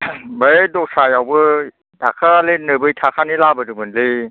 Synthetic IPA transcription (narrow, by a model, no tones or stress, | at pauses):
bədosajawbɯ | dakʰalenɯbɯjt̪ʰakʰanilabədɯmɯnlɯ